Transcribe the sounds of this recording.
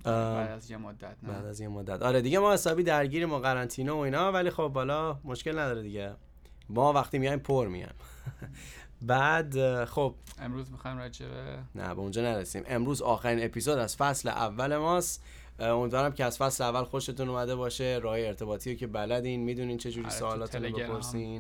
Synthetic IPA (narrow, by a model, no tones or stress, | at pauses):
d̪æzjemod̪ːæt̪̚bæːd̪æzjemod̪ːæt̪ɒːɾed̪iɟemɒːhe̞sɒːbiːd̪æɾɟiːɾiːmoɣæɾænt̪ʰiːnooiːnɒːvæliːxobhɒːlɒːmo̞ʃce̞lnæd̪ɒːɾed̪iɟe | mɒːvæxt̪imijɒjmpʰoɾmḭjɒ̰jm | bæːd̪xob̥emɾuzmixɒjmɾad͡ʒḛbḛnæ̰beũnd͡ʒɒːnæɾesḭːmʔe̞mɾuːzɒːxæɾiːne̞pʰiːzod̪æz̥fæslḛʔæ̰vːæle̞mɒːst̪ | omiːd̪vɒːɾæmcʰeæz̥fæsleævːælxoʃe̞t̪unumæd̪e̞bɒːʃeɾɒːɦjeːɾt̪ʰe̞bɒːt̪ʰiːɾocʰe̞bælæd̪inmiːd̪uniːt͡ʃʰe̞d͡ʒuːɾiːsoːllɒːt̪ʰunbepoɾsiːn